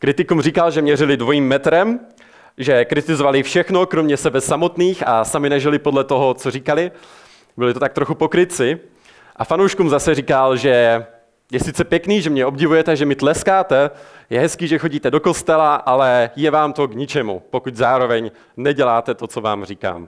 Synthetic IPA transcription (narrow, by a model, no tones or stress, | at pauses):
kɾɪt̪ɪkumrikalʒɛmɲɛrɪlɪdvo̞jiːmːɛt̪ɾɛm | ʒɛkɾɪt̪ɪzovalɪfʃɛxno̞kɾo̞mɲɛsɛbɛsamo̞t̪niːxasamɪnɛʒɪlɪpo̞dlɛt̪oɦo̞t͡so̞riːkalɪ | bɪlɪt̪o̞t̪ak̚t̪ɾo̞xupo̞kɾɪt͡sɪ | ʔafanowʃkumzasɛriːkalʒɛ | jɛsɪt͡sɛpjɛkniːʒɛmɲɛʔo̞bɟɪvujɛt̪ɛʒɛmɪt̪lɛskaːt̪ɛjɛɦɛskiːʒɛxo̞ɟiːt̪ɛdo̞ko̞st̪ɛlaʔalɛjɛvaːmt̪o̞ɡɲɪt͡ʃɛmṵpokuczaːɾo̞vɛɲ | nɛɟɛlaːt̪ɛt̪o̞t͡so̞va̰ːmriːka̰ːm